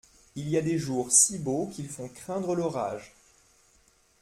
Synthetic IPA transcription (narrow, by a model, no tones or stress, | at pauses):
iliad̪eʒuʁsibokilfɔ̃kχɛ̃d̪ʁəlɔʁa̰ːʒ